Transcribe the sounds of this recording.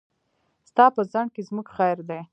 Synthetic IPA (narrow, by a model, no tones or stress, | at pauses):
st̪ɑpəzaɳ̚kezmuɡxajɾd̪e